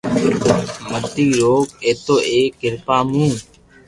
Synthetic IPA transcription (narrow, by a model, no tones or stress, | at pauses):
mət̪iːɾoːkeːt̪oːʔeːkːɪɾpaːmũː